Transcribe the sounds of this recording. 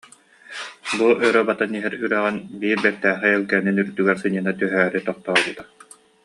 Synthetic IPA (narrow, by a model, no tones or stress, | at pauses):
buʔœɾœbat̪aniɦɛɾyɾɛʁɛnbiːɾbɛk̚t̪æːχɛɛlkɛninyɾd̪yɡɛɾsɯɲianat̪yɦæːɾit̪ɔq̚t̪ɔːlˠbɯt̪a